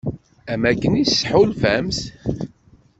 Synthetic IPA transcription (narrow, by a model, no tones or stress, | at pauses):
æmækːənisːħulfæms